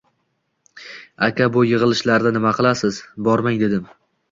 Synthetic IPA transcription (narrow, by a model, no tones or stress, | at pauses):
akʲʰabʊjɨʁɨlˠɪʃlaɾd̪ɪnɪmaqʰɨlˠasɪz̥bɒɾmaŋd̪e̞d̪ɪm